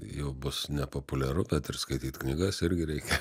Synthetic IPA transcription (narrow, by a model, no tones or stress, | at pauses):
jɛʊbʊsnʲɛpopʊlʲɛɾʊbʲɛt̪ɪrskɐɪt̪ʲiːt̪knʲiɡɐsɪɾʲɡʲɪɾʲɛɪkʲɛ